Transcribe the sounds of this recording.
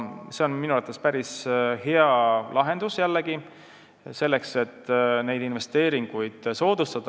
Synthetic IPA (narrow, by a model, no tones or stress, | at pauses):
se̞o̞nminuət̪ːˑespæɾishe̞ɑlʔɑɦe̞nd̪̥usjælːeɡ̥i | se̞lːe̞kse̞t̪ːne̞jd̪inve̞st̪e̞ːɾiŋɡ̥ujd̪̥so̞ːd̪̥ust̪ɑd̪̥ɑ